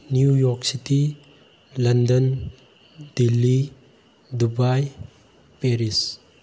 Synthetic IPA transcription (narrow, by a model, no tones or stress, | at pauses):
njujɔksiti | lɐndən | d̥ilːi | dubaj | peɾis